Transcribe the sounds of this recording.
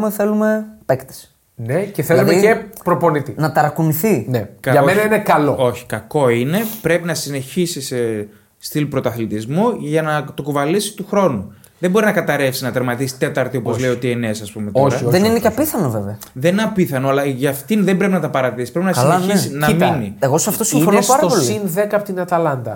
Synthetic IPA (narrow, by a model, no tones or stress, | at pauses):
meθe̞lumepekt̪e̥s | neceθelɐlumðecepɾopo̞nit̪inɐt̪ɐɾɐkuniθinekɐɐoenɐinekɐloo̞çi̥kɐko̞ine̞pɾe̞pinɐsine̞çisise | st̪ilipɾo̞t̪oɐθlit̪izmuʝɐnɐt̪okuvɐlisi̥t̪uxɾo̞nu | ðembo̞ɾinɐkɐt̪ɐɾe̞fsinɐt̪eɾmɐt̪isi̥t̪e̞t̪ɐɾt̪iopozzleiot̪ienesɐspumet̪oɾɐðeninecɐpiθɐnoveveɐðenineɐpiθɐnoɐlɐʝɐft̪inðe̞mbɾe̞pinɐt̪ɐpɐɾɐt̪isi̥pɾe̞pinɐsilɐeçissinɐminieɣosɐft̪osifonosɐɾɐpolsiinðekɐpot̪inɐt̪ɐlɐnd̪ɐ̰